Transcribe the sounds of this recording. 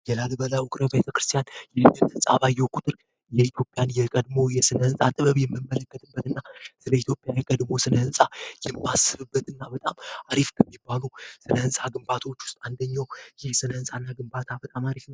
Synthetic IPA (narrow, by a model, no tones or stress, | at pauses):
jɛlalbəlaʔukʼɾəbjet̪ʰəkɾɨst̪ʰijanjɛnːɨnt̪ʰɨnsʼa̰βajɛwkʷʰʼut̪ʼɨɾ | jɛit̪ʰjo̞pʼjanjɛkʼəd̪mo̞jɛsɨnəhɨnsʼat̪ʼɨβəβjɛmːɨmːələkːət̪ʼɨbːət̪ɨnːasɨləit̪ʰjo̞pʼjajɛkʼəd̪mo̞sɨnəhɨnsʼajɛmːasːɨβɨbːət̪ɨnːabət̪ʼamaɾifkʰəmːibːalusɨnəhɨnsʼaɡɨmbat̪ʰo̞t͡ʃːwʊ̥st̪ʼand̪əɲːawjɛsɨnəhɨnsʼanːaɡɨmbat̪ʰabət̪ʼamaɾifnəw